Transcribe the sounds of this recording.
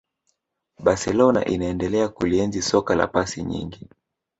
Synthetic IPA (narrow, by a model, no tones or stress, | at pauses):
ɓasɛlɔna̰ʔinaɛndɛlɛakuliɛnzisɔkala̰pasiɲḭŋɡi